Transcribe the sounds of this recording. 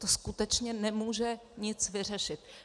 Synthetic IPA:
t̪oskut̪ɛt͡ʃɲɛnɛmuːʒɛɲɪt͡svɪr̝ɛʃɪt̪̚

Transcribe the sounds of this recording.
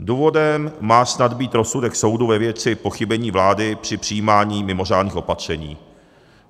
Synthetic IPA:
duːvo̞dɛmːaːsnad̪biːt̪ɾo̞sudɛkso̞wduvɛvjɛt͡sɪpo̞xɪbɛɲiːvlaːdɪpr̝̥ɪpr̥ɪjiːmaːɲiːmɪmo̞r̝aːdniːxo̞pat̪r̝̥ɛɲḭː

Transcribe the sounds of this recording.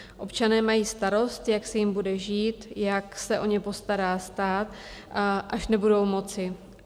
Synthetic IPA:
ʔo̞pt͡ʃanɛːmajiːst̪aɾo̞st̪jaksɛjɪmbudɛʒiːt̪jaksɛʔo̞ɲɛpo̞st̪aɾaːst̪aːt̪ | ʔaʃnɛbudo̞wmo̞t͡sɪ

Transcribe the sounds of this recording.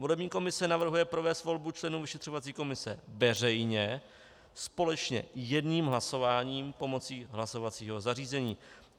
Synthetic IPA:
vo̞lɛbɲiːko̞mɪsɛnavr̩ɦujɛpɾo̞vɛːst̪vo̞lbut͡ʃlɛnuːvɪʃɛt̪r̝̥o̞vat͡siːko̞mɪsɛvɛr̝ɛjɲɛ | spo̞lɛt͡ʃɲɛ̰jɛdɲiːmɦlaso̞vaːɲiːmpo̞mo̞t͡siːɦlaso̞vat͡siːɦo̞zariːzɛɲiː

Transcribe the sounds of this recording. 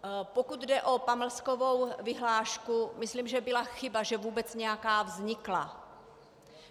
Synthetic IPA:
pokud̪dɛʔo̞paml̩skovo̞wvɪɦlaːʃkumɪsliːmʒɛbɪlaxɪbaʒɛvuːbɛt͡sɲɛjakaːvzɲɪkla

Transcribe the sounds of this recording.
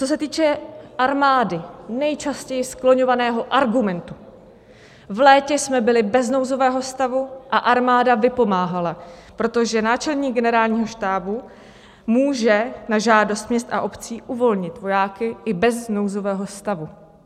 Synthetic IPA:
t͡so̞s̬ɛt̪iːt͡ʃɛʔaɾmaːdɪnɛjt͡ʃascɛjɪsklo̞ɲo̞vanɛːɦo̞ʔaɾɡumɛnt̪u̥ | vlɛːcɛsmɛbɪlɪbɛzno̞wzo̞vɛːɦo̞st̪avuʔaʔaɾmaːdavɪpo̞maːɦalapɾo̞t̪o̞ʒɛnaːt͡ʃɛlɲiːɡɛnɛɾaːlɲiːɦo̞ʃt̪aːbu | muːʒɛnaʒaːdo̞st̪mɲɛst̪ʔa̰ʔo̞pt͡siːʔuvo̞lɲɪt̪vo̞jaːkɪʔɪbɛzno̞wzo̞vɛːɦo̞st̪avu

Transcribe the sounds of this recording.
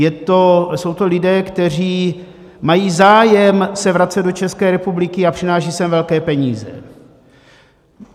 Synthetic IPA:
jɛt̪o̞sowt̪o̞lɪdɛːkt̪ɛr̝iː | majiːzaːjɛmsɛvɾat͡sɛd̪̚do̞t͡ʃɛskɛːɾɛpublɪkɪapr̝̥ɪnaːʃiːsɛmvɛlkɛːpɛɲiːzɛ̰

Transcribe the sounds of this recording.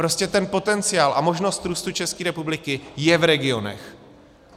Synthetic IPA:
pɾo̞scɛt̪ɛnpo̞t̪ɛnt͡sɪjaːlʔa̰mo̞ʒno̞st̪ɾuːst̪ut͡ʃɛskiːɾɛpublɪkɪjɛvɾɛɡɪo̞nɛ̰x

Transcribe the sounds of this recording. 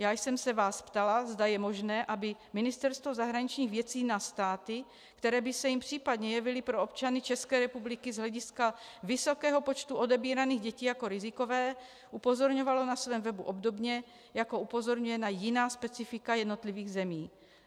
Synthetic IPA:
jaːjsɛmsɛvaːspt̪alazd̪ajɛmoʒnɛːʔabɪmɪnɪst̪ɛɾst̪vo̞zaɦɾaɲit͡ʃɲiːɣvjɛt͡siːnast̪aːt̪ɪ | kt̪ɛɾɛːbɪsɛjimpr̝̥iːpad̪ɲɛjɛvɪlɪpɾoop̚t͡ʃanɪt͡ʃɛskɛːɾɛpublɪkɪzɦlɛɟɪskavɪso̞kɛːɦo̞pot͡ʃt̪uʔo̞dɛbiːɾaniːɣɟɛciːjako̞ɾɪzɪkovɛː | ʔupo̞zoɾɲovalo̞nasvɛːmvɛbuʔo̞bdo̞bɲɛ | jakoupo̞zo̞ɾɲujɛnajɪnaːspɛt͡sɪfɪkajɛd̪no̞t̪liviːɣzɛmiː

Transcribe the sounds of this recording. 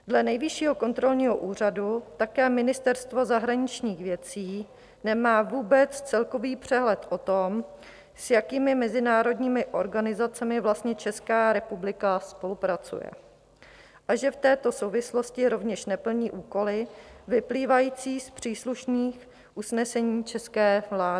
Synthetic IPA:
dlɛnɛjvɪʃiːɦo̞ko̞nt̪ɾo̞lɲiːɦo̞ʔuːr̝adut̪akɛːmɪnɪst̪ɛɾst̪vo̞zaɦɾaɲɪt͡ʃɲiːxvjɛt͡siː | nɛmaːvuːbɛt͡st͡sɛlko̞viːpr̝̥ɛɦlɛt̪ʔo̞t̪o̞m | sjakiːmɪmɛzɪnaːɾo̞dɲiːmɪʔo̞ɾɡanɪzat͡sɛmɪvlast̪ɲɛt͡ʃɛskaːɾɛpublɪkaspo̞lupɾat͡sṵjɛ̰ | ʔaʒɛft̪ɛːt̪o̞so̞wvɪslo̞scɪɾo̞vɲɛʃnɛpl̩ɲiːʔuːko̞lɪvɪpliːvajiːt͡siːspr̝̥iːsluʃniːx | ʔusnɛsɛɲiːt͡ʃɛskɛːvlaːdɪ

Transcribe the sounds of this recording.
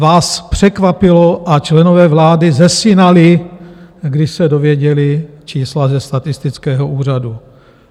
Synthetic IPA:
vaːspr̥ɛkvapɪloʔat͡ʃlɛnovɛːvlaːdɪzɛsɪnalɪ | ɡdɪʃsɛdovjɛɟɛlɪt͡ʃiːslazɛst̪at̪ɪst̪ɪt͡skɛːɦoʔuːr̝adu

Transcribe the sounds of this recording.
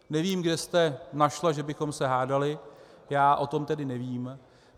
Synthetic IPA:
nɛviːmɡdɛst̪ɛnaʃlaʒɛbɪxo̞msɛɦaːdalɪ | jaːʔo̞t̪o̞mt̪ɛdɪnɛviːm

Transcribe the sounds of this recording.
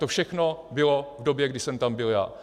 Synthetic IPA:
t̪ofʃɛxno̞bɪlo̞vdobjɛɡdɪsɛmt̪ambɪlja̰ː

